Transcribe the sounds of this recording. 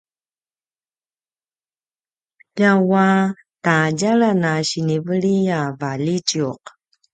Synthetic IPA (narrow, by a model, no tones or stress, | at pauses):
ʎawa | taɟaɭanaɕinivəɭijavalicuq